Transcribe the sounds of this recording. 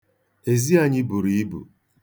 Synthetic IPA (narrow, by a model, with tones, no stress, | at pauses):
e˨zi˦a˦ɲɪ˦bu˨ɾi˨i˦bṵ˨